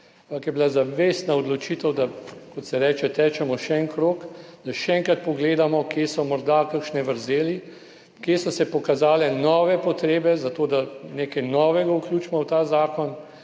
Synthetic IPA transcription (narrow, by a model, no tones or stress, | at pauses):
aampɐkjɛbilazaʋeːst̪naɔd̪lɔt͡ʃit̪ɛwd̪akɔt̪sɛɾɛːt͡ʃɛt̪ɛːt͡ʃɛmɔʃɛɛŋkɾoːkd̪̥aʃɛɛŋkɾat̪̚pɔɡleːd̪amɔkjesɔmɔɾd̪akəkʃnɛʋəɾzeːli | kjesɔsɛpɔkazaːlɛnɔːʋɛpɔt̪ɾeːbɛzat̪oːd̪aneːkajnɔːʋɛɡawklʲuːt͡ʃmɔwt̪aːzaːkɔn